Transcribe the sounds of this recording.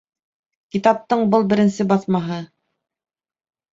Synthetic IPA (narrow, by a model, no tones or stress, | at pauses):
kit̪ɑp̚t̪ɤɴbɤlˠbɘ̆ɾɘ̆nsɘbɑθmɑɦɤ